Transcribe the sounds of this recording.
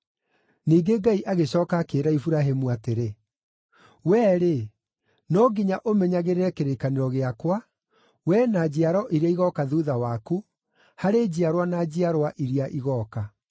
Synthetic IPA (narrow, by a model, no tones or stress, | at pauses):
niːɡeɡaiʔaɣeɕɔːkakeːɾaifuɾaɦemuateɾe | wɛːɾe | nɔɡiɲaʔomɛɲaɣeɾeɾɛkeɾekaneɾɔɣeakwa | wɛnad͡ʑiaɾɔʔiɾeaiɣɔkaðuðawaku | haɾed͡ʑiaɾwanad͡ʑiaɾwaʔiɾiaʔiɣɔːka